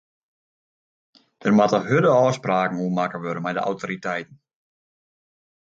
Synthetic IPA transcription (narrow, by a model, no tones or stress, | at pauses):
d̥ərmatəhødəɔːspraːkŋ̩uːmakəʋøɾəmɛjdə̰ʔa̰wtʰoɾitɛjtn̩